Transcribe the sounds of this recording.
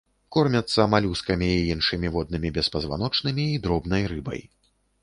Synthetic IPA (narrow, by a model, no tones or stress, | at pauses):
kɔrmʲɐt̪sːɐmalʲuskɐmʲiːinʂɨmʲivɔd̪̚nɨmʲibʲɛspɐzva̰nɔt͡ʂnɨmʲiːd̪ɾɔbnɐjrɨbɐ̰j